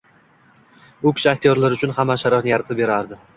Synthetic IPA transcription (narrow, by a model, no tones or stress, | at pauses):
ʊkʲɪ̥ʃɪak̚t̪ʰijoɾlaɾʊt͡ʃʰʊnhamːaʃaɾɒhnɪjaɾat̪ʰɪp̚be̞ɾaɾd̪ɪ